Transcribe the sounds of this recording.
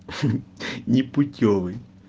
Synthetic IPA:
nʲipʊtʲɔʋɨj

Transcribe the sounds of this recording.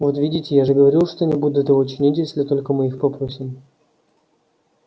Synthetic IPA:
vot̪vʲidʲɪtʲɪjaʐɨɡəvɐɾʲilˠʂt̪onʲɪbud̪ʊt̪ɪvoʊt͡ɕɪnʲitʲjesʲlʲɪt̪o̞lʲkəmɨixpɐpɾosʲɪm

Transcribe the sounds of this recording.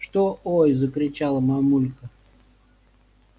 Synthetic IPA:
ʂt̪oojzəkɾʲɪt͡ɕalˠəmamulʲkə

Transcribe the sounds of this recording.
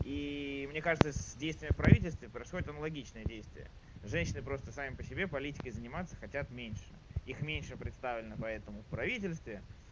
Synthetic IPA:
imnʲe̞kaʐɨt̪səsʲdʲejst̪vʲɪːmʲɪfpɾɐvʲitʲɪlʲst̪vʲɪpɾəɪsxo̞dʲɪt̪ənəlˠɐɡʲit͡ɕnɨjədʲejst̪vʲɪ̰ə̰ | ʐɛnʲɕɪnɨpɾo̞st̪əsamʲɪpəsʲɪbʲe̞pɐlʲitʲɪ̥kəjzənʲɪmat̪səxɐtʲat̪mʲenʲʂɨixmʲenʲʂɨpɾʲɪt̪st̪avlʲɪnəpɐɛt̪əmʊfpɾɐvʲitʲɪlʲst̪vʲɪ

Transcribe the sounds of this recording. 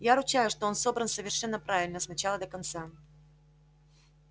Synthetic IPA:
jaɾʊt͡ɕajʊʂt̪oonso̞bɾənsəvʲɪrʂɛnːəpɾavʲɪlʲnəsnɐt͡ɕalˠəd̪əkɐnt̪sa

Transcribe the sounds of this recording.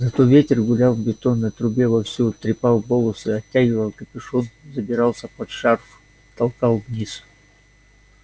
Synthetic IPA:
zɐt̪ovʲetʲɪrɡʊlʲalˠvbʲɪt̪onːət̪ɾʊbʲevɐfsʲut̪ɾʲɪpalˠbolˠəsɨɐtʲːæɡʲɪvəlˠkəpʲɪʂonzəbʲɪɾɑlˠsʲəpɐt̪ʂarf | t̪ɐlˠkɑlˠvnʲis

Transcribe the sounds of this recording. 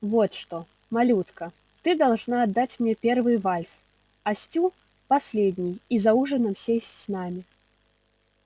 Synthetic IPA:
vɔt̪ʂt̪ɔ | malʲut̪kɐ | t̪ɨd̪alˠʐnaːd̪ːat͡sʲmnʲɛpʲɛrvɨjvalʲs | asʲt͡sʲu | pasʲlʲed̪ʲnʲijizauʐɨnɐmsʲesʲt͡sʲnamʲi

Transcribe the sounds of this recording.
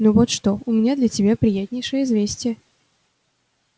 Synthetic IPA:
nuvot̪ʂt̪oʊmʲɪnʲad̪lʲətʲɪbʲapɾʲɪjæt̪ʲnʲɪjʂɨjəɪzvʲesʲtʲɪjə

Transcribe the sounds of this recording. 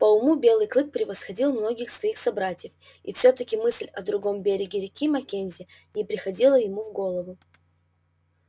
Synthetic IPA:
pəʊmubʲe̞lˠɨjklˠɨk̚pɾʲɪvəsxɐdʲilˠmno̞ɡʲɪxsvɐixsɐbɾatʲɪjəf | ifsʲɵt̪əkʲɪmɨsʲlʲɐd̪ɾʊɡo̞mbʲeɾʲɪɡʲɪɾʲɪkʲimɐkʲenʲzʲɪnʲɪpɾʲɪxɐdʲilˠəjɪmuvɡo̞lˠəvʊ

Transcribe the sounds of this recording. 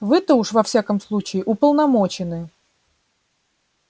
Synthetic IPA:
vɨt̪əuʂvɐfsʲakəmslˠut͡ɕɪːʔʊpəlˠnɐmot͡ɕɪnɨ

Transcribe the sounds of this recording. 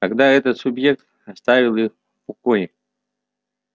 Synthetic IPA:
ɐɡd̪aɛt̪ət̪sʲʊbjek̚t̪ | ɐst̪avʲɪlˠɨx | pɔkojɪ

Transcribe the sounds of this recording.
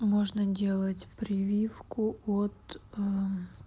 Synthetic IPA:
moʐnədʲe̞lˠətʲpɾʲɪvʲifkʊot̪ə

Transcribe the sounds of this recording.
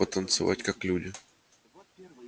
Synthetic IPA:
ət̪ənt̪sɨva̰tʲkaklʲudʲɪ

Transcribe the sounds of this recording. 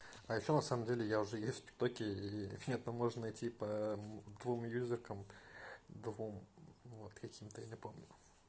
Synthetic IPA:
ajɪɕːonɐsaməmdʲelʲɪjaʊʐɛjessʲt̪̚ʲpʲɪ̥t̪okʲɪimʲɪnʲet̪ɐmːo̞ʐnənɐjtʲipəd̪vumjuzʲɪrkəm | d̪vumvot̪kɐkʲimt̪əjanʲɪpomnʲʊ

